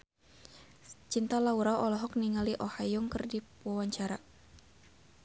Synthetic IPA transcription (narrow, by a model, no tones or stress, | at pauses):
t͡ʃint̪alauɾawɔlɔɦɔk̚niŋaliʔɔhajɔŋkərdi | wawaɲt͡ʃaɾa